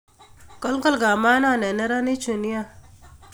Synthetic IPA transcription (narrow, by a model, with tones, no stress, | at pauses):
kɔ˦lkɐ˦lɡa˨maː˦na˦˨ne˨nɐ˦ɾa˦ni˦t͡ʃʰu˨ni˦a˦